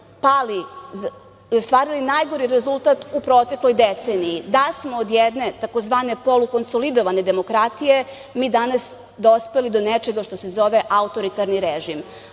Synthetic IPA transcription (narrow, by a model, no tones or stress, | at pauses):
pali | ost̪ʋaːɾilinajɡo̞ɾiɾezulˠt̪at̪upɾo̞t̪e̞klo̞jd̪et̪se̞nijid̪asmoːd̪jed̪ne̞t̪akozʋaːne̞po̞luko̞nsolid̪o̞ʋane̞d̪e̞mo̞kɾat̪ije̞ | miːd̪anas | d̪ospe̞lid̪onet͡ʃe̞ɡaʃt̪o̞se̞zo̞ʋeʔaut̪o̞ɾit̪aɾniɾeʒim